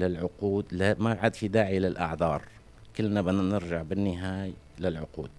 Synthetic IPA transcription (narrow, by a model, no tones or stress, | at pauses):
lɪlʕʊquːd̪lamaʕad̪fid̪aːʕilɪlʔɑ̰ʕðˤɑːɾˤ | kɪlːnabɪnnɪɾʒaʕbɪnːɪɦaːj | lɪlʕʊqṵːd̪̥̚